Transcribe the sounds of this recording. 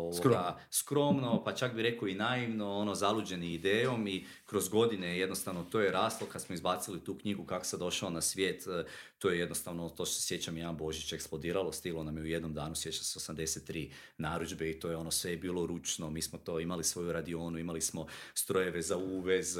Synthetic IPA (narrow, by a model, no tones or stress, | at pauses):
oʋoɡaskɾo̞mno̞pat͡ʃak̚biɾe̞koinaiʋno̞onozalud͡ʒe̞nimid̪eːjo̞mi | kɾo̞zɡo̞d̪inejed̪nost̪aʋnot̪ojeɾaːst̪lˠokad̪smoizbaːt̪silit̪uːkɲiɡukako̥sad̪o̞ʃaonasʋje̞ːt̪ː | ojejed̪nost̪aʋnot̪o̞ːʃt̪osesje̞t͡ɕamjaːnbo̞ʒit͡ʃeksplˠo̞d̪iːɾalo̞st̪ilˠo̞namjeuje̞d̪no̞md̪aːnusjet͡ʃaseosamd̪e̞set̪ːɾiː | naːɾud͡ʒbeit̪o̞ːjeo̞nosʋejebiːlo̞ɾut͡ʃno̞miːsmot̪o̞ːimalisʋo̞juɾad̪io̞ːnuimalismo̞st̪ɾojeʋezauːʋe̞z